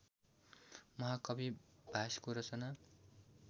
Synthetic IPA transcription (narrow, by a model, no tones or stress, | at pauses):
mʌɦakʌbib̥ʱaskoɾʌt͡sʌna